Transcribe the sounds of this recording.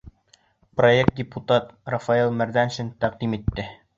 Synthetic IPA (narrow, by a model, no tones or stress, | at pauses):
proek̚t̪̚dʲɪput̪ɑt̪rɐfɑilˠmæɾðænʃɘnt̪æq̚d̪imit̪ːɘ